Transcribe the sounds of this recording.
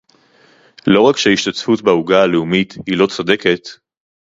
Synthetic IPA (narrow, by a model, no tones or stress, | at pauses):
lo̞ʁakʃeiʃtat͡sfutbauɡaːleumit̪hilo̞t͡sode̞ke̞t̪